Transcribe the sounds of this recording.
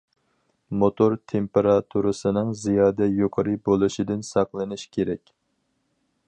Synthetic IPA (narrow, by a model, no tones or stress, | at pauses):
mot̪ʰoɾt̪ʰempeɾɑt̪ʰuɾɨsɨnɨŋzijɑːd̪ɛjoqʰəɾɨbolˠɨʃid̪ɪnsɑqlˠɨnɨʃkʲʰeɾɛkʲ